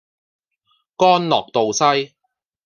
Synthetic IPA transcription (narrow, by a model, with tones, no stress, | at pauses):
kɔː˥nlɔː˨˩k̚t̪o˨wsɐ˥j